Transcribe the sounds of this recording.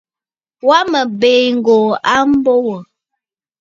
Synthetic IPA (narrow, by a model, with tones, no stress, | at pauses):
wa˦mə˨be˨ŋ̩˨ɡo˨a˦m˦bo˦wə˨